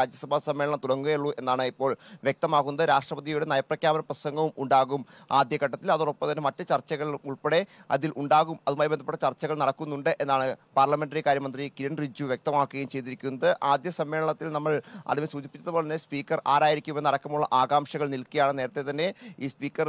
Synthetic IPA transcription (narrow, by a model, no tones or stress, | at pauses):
ɾaːd͡ʑjɐsɐbʱaːsɐmːe̞ːɭɐɳɐmt̪uɽɐŋːuɣjeɭːuʔe̞nːaːɳɨipːoːɭʋjek̚t̪ɐmaːɣunːɐðɨɾaːʂʈrɐpɐðijuɽenɐjɐprɐkʲjaːbɐnɐprɐsɐŋɡɐʋumuɳɖaːɣumaːd̪jɐkɐʈːɐt̪ːilɐðoropːɐmt̪ɐnːe̞mɐtːɨt͡ɕɐrt͡ɕɐɣɐɭilumuɭpeɽe̞ɐ̰ðilʔuɳɖaːɣumɐðumaːjbend̪ʱɐpːeʈːɐt͡ɕɐrt͡ɕːɐɣɐɭnɐɽɐkːunːuɳɖɨʔe̞nːaːɳɨpaːrlɐme̞nɖɐrikaːɾjɐmɐnd̪rikiɾɐnrid͡ʑːuʋjek̚t̪ɐmaːkːɨɣɐjumt͡ɕe̞jt̪̬ːiɾikʲːunːɐðɨʔaːd̪jɐsɐmːe̞ːɭɐɳɐt̪ːilnɐmːɐɭɐ̰ðinesuːd͡ʑipːit͡ɕːɐðɐoːɭɐnːespiːkːɐraːɾaːjiɾikʲːumenːɐɽɐkːɐmuɭːɐʔaːɡaːmʂɐɣɐɭnilkːɐjaːɳɨne̞ːɾɐt̪ːet̪ɐnːe̞iːspiːkːɐr